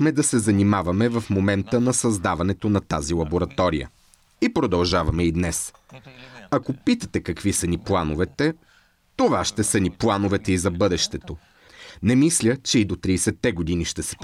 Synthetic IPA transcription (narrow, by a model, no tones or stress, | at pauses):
mɛd̪ɐsɛzɐnimavɐmɛvɐfmomɛnt̪ənɐsɐzd̪avɐnɛt̪onɐt̪azilˠɐboɾɐt̪ɔɾijə̰ | ipɾod̪ɐlˠʒavɐmɛid̪nɛs | ɐkopit̪ət̪ɛkɐkvisɐniplˠanovɛt̪ɛ | t̪ovaʃt̪ɛsəniplˠanovɛt̪ɛizɐbɤd̪ɛʃt̪ɛt̪o | nɛmislʲət͡ʃɛid̪ot̪ɾiːsɛt̪ːɛɡod̪iniʃt̪ɛsɛ̥p